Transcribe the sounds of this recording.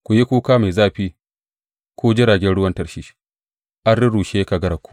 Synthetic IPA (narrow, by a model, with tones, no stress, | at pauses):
kʷu˨ji˦kʷuː˦kaː˦ma˨jzaː˦ɸiː˦ | kʷoː˦d͡ʒɪ˦ɽaː˨ɡʲɛ˦nɽʊ˦wɐ˦ntɐ˨rʃi̥˦ | ʔa˦ɽɾɪ˦ɽuː˨ʃeː˦ka˨ɡɐ˦ɾa˨kʷu̥˨˦